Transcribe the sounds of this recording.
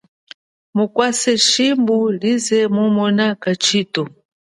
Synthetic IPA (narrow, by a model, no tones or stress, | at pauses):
mukwasɛʃimbulizɛmɔmɔnakat͡ʃʰiːtɔ